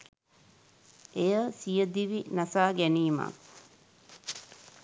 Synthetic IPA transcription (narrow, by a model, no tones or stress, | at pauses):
ʔejəsijəd̪iʋinasaːɡæniːma̰